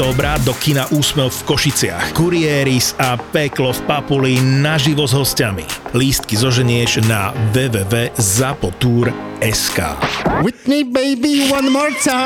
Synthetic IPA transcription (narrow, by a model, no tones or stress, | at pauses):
ɔːbɾad̪ɔkinaʔuːsmɛʊfkɔʃit͡sɪa̰xkuɾiɛːɾisapɛklɔfpapulinaʒiʋɔzɦɔscamḭliːst̪̚kizɔʒɛɲɪɛʒnaʋɛːʋɛːʋɛːzapɔt̪uːɾɛska̰ːwɪtnibeɪbiwɐ̃nmɔːɹtʰaɪ